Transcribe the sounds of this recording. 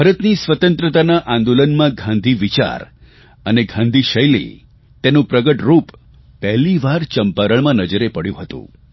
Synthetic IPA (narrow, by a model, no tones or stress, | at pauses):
bʱəɾət̪nisʋət̪ə̃nt̪ɾət̪anaʔãnd̪olənmãɡʱãnd̪ʱiʋit͡ʃa̰ɾ | əneɡʱãnd̪ʱiʃəjlḭ | t̪enũpɾəɡəʈɾup | pɛɦliʋaɾt͡ʃəmpaɾəɭmãnəd͡ʒəɾepəɽjṵ̃ɦət̪ṵ̃